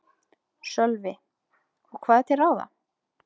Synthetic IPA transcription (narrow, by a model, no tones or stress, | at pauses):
sœlvɪ | ɔɣkʰvaːðɛt̪ɛɾaːwða̰